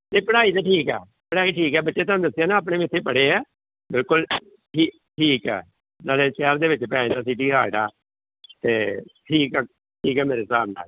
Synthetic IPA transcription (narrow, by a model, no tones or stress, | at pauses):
t̪eːpəɽaːiːt̪aːʈʰiːkɛ̰ː | pəɽaːiːʈʰiːkɦɛːbətːʃeːt̪aːnũːd̪əsːijaːnãːp̬nẽːmeɪt̪ʰːeːpəɽeːɛː | bɪlkʊl | ʈʰiː | ʈʰiːkɛ̰ː | naːleːt͡ʃɛːɾd̪eːʋɪt͡ʃpəaːĩːd̪aːs̬iːʈiːɦaːɖa̰ː | t̪eːʈʰiːkː | ʈʰiːkɛːmeːɾeːsaːbna̰ːl